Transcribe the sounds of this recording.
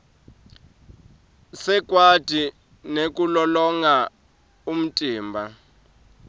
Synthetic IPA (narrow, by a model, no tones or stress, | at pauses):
sɛk̬ʼwad̥ʱi | nek̬ʼulɔlɔŋa | um̩tʼiːmbʱa